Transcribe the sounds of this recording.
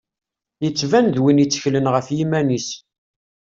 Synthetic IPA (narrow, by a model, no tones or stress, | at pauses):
jət͡sːvænðwinjit͡sːə̥çlənʁəfjimænis